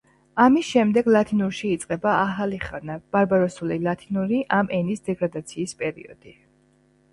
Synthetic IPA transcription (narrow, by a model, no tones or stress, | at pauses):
amisʃɛmd̪ɛɡlˠat̪ʰinuɾʃiːt̪sʼqʼɛbaːχaliχanab̥aɾbaɾɔsulilˠat̪ʰinuɾiʔamʔɛnisd̪ɛɡɾad̪at̪sʰiːspʼɛɾḭɔ̰d̪̥i